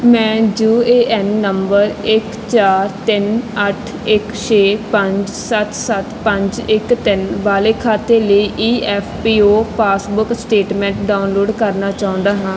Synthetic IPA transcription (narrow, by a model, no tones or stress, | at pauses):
mɛ̃ːd͡ʒuːeːʔɛnːəmbəɾɪk | t͡ʃaːɾt̪ɪnəʈʰɪkʃeːpəɲd͡ʒsət̪sət̪pə̃ɲd͡ʒɪkt̪ɪnʋaːleːkʰaːt̪eːləiːʔiːʔɛːpʰpiːoːpʰaːsbʊksʈeːʈmɛ̃ːɳʈɖaːʊnloːɖkəɾnaːt͡ʃaːʊ̃nd̪aːɦãː